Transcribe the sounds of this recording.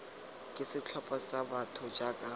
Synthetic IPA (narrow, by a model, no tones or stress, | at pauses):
kʼɪsɪt͡ɬʰɔpʼasabatʰɔd͡ʒakʼa